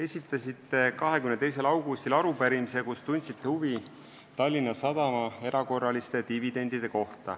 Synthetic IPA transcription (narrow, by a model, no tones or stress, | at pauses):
e̞sʲit̪ːˑɑsit̪ːe̞kɑɦekymnet̪ejse̞lɑwɡ̥ust̪ilɑɾupæɾimise̞kust̪unʲt̪sit̪ːehuvi | t̪ɑlʲːinːɑsɑd̪̥ɑmɑe̞ɾɑko̞rːɑlist̪e̞t̪ivid̪̥e̞nʲd̪̥id̪̥e̞ko̞ht̪ɑ̰